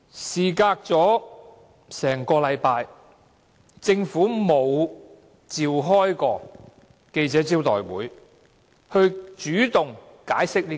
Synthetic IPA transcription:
siː˨˩kaː˧k̚t͡sɔː˨˥ | sɛː˨˩ŋkɔː˧lɐ˨˧jpaː˧j | t͡sɪ˧ŋfuː˨˥mo˨˧w | t͡siː˨wɦɔː˥jkɔː˧ | ke˧jt͡sɛː˨˥t͡siː˥wt̪ɔː˨˩jwṵː˨˥j | hɵ˧ɥt͡ʃyː˨˥t̪ʊ˨˩ŋ | kaː˨˥jsɪ˥k̚li˥

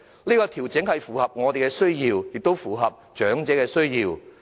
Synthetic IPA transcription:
niː˥kɔː˧t̪ʰiː˨˩wt͡sɪ˨˥ŋhɐ˨jfuː˨˩hɐ˨p̚ŋɔː˨˧t̪e˨jkɛː˧sɵ˥ɥjiː˧wjɪ˨k̚t̪o˥wfuː˨˩ɦɐ˨p̚t͡ʃœː˨˥ŋt͡sɛː˨˥kɛː˧sɵ˥ɥjiː˧w

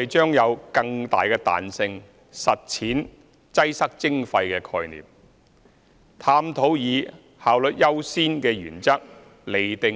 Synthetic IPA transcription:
e˨jt͡ʃœː˥ŋjɐ˨˧wkɐ˧ŋt̪a̰ː˨jkɛː˧t̪a̰ː˨nsɪ˧ŋ | sɐ˨t̚t͡sʰiː˨˥n | t͡sɐ˥jsɐ˥k̚t͡sɪ˥ŋfɐ˧jkɛː˧kʰɔː˧jnḭː˨˩m̚ | t̪ʰaː˧mt̪ʰo˨˥wjiː˨˧ | haː˨wlɵ˨t̚jɐ˥wsiː˥nkɛː˧jy̰ː˨˩nt͡sɐ˥k̚ | le˨˩jt̪ɪ˨

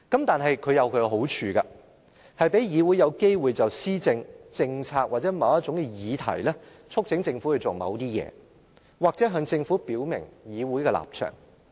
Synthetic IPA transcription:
kɐ˨˥mt̪aː˨nɦɐ˨jkʰɵ˨˧ɥjɐ˨˧wkʰɵ˨˧ɦo˨˥wt͡ʃʰyː˧kɐ̰˧ | hɐ˨jpe˨˥jjiː˨˧wuː˨˥jɐ˨˧wke˥jwuː˨jt͡sɐ˨wsiː˥t͡sɪ˧ŋt͡sɪ˧ŋt͡sʰaː˧k̚wʔaː˨t̚t͡sɛː˨˥mɐ˨˧wɐ˥t̚t͡ʃʊ˨˥ŋkɛ˧jiː˨˧t̪ʰɐ̰˨˩jlɛː˥ | t͡sʰʊ˥k̚t͡sʰɪ˨˥ŋt͡sɪ˧ŋfu˨˥hɵ˧t͡so˨mɐ̰˨˧wt̪iː˥jɛ̰ː˨˧ | waː˨k̚t͡sɛː˨˥ɦœː˧ŋt͡sɪ˧ŋfuː˨˥piː˨˥wmɪ̰˨˩ŋjiː˨˧wu˨˥jkɛː˧la̰ː˨˩p̚t͡ʃʰœ̰ː˨˩ŋ

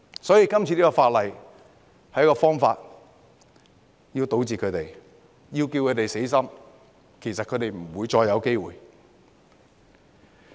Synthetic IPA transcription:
sɔː˨˥jiː˧kɐ˥mt͡sʰiː˨˧liː˥kɔ˧faː˧t̚lɐ˨j | hɐ˨˥jkɔː˧fɔː˥ŋfa̰ː˧t̚ | ji˧wt̪o˨˥wt͡siː˨kʰɵ˨˧ɥt̪e˨j | ji˧wki˧wkʰɵ˨˧˥t̪e˨jse˨˥jsɐ˥m | kʰe˨˩jsɐ˨kʰɵ˨˧˥t̪e˨jm̩˨˩wuː˨˧jt͡sɔː˧jɐ˨˧wke˥jwṵː˨j

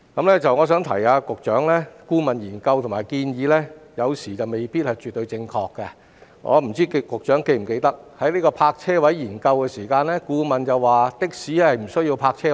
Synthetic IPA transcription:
kɐ˨˧˥mlɛː˥t͡sɐ˨wŋɔː˨˧s̬œ˨˥ŋt̪ʰɐ̰˨˩jaː˧kʊ˨k̚t͡ʃœː˨˥ŋlɛː˥kuː˥mɐ˨njiː˨˩nkɐ˧wt̪ʰʊ˨˩ŋmaː˨˩jkiː˧njiː˨˧lɛ˥jɐ˨˧wsiː˨˩t͡sɐ˨wme˨jpiː˥t̚hɐ˨jt͡ʃyː˨t̪ːɵ˧ɥt͡sɪ˧ŋkʰɔː˧kːɛ˧ | ŋʔɔ̰ː˨˧m̩˨˩t͡siː˥kkʊ˨k̚t͡ʃœː˨˥ŋke˧jm̩˨˩ke˧jt̪ɐ˥k̚hɐ˨˥jliː˥kɔː˧pʰaː˧k̚t͡sʰɛː˥wɐ˨˥jjiː˨˩nkɐ˧wkɛ˧siː˨˩kaː˧nlɛː˥kuː˧mɐ˨nt͡sɐ˨waː˨t̪ɪ˥k̚siː˨˥ɛ˥hɐ˨jm̩˨˩sɵ˥ɥji˧wpʰaː˧k̚t͡sʰɛː˥

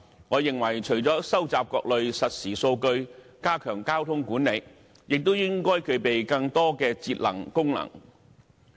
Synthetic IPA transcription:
ŋɔː˨˧jɪ˨ŋwɐ˨˩jt͡ʃʰɵ˨˩ɥt͡sɔː˨˥sɐ˥wt͡saː˨p̚kɔː˧k̚lɵ˨˧ɥsɐ˨t̚siː˨˩so˧wkɵ˧ɥ | kaː˥kʰœː˨˩ŋkaː˥wt̪ʰʊ˥ŋkuː˨˥nːe˨˧j | jɪ˨k̚t̪o˥wjɪ˥ŋkɔː˥jkʰɵ˨˧ɥpe˨jkɐ˧ŋt̪ɔː˥kɛː˧t͡siː˧t̚lɐ̰˨˩ŋkʊ˥ŋnɐ̰˨˩ŋ

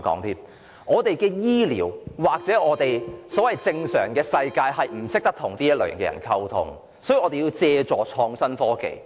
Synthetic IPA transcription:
kɔ̰ː˨˥ŋt̪ʰiː˥m | ŋɔː˨˧t̪e˨jkɛː˧jiː˥lḭː˨˩wwaː˨k̚t͡sɛː˨˥ɔː˨˧t̪e˨jsɔː˨˥wɐ˨jt͡sɪ˧ŋsœ̰ː˨˩ŋkɛː˧sɐ˧jkaː˧jɦɐ˨jm̩˨˩sɪ˥k̚t̪ɐ˥k̚t̪ʰʊ˨˩ŋt̪iː˥jɐ˥t̚lɵ̰ː˨˩jɐ̰˨nkɛ̰ː˧jɐ̰˨˩nkʰɐ˧wt̪ʰʊ̰˧ŋ | sɔː˨˥ji˨˩ʔɔː˨˧e˨ji˧wt͡sɛː˧t͡sɔː˨t͡ʃʰɔː˧ŋsɐ˥nfɔː˥kḛ˨j

